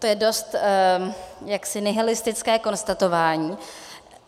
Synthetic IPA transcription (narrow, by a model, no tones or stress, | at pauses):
t̪ojɛdo̞st̪ | jaksɪnɛɦɪlɪst̪ɪt͡skɛːko̞nst̪at̪o̞vaːɲiː